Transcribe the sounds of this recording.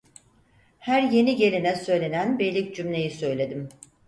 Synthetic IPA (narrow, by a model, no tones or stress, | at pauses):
hæɾje̞niɟe̞lʲinɛsø̞jlʲe̞nænbe̞lʲicd͡ʒymlʲe̞jisø̞jlʲe̞d̪im